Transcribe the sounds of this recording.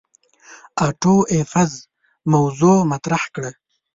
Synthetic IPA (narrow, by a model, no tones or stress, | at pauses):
aʈoʔefaz | mawzomat̪ɾahkɽə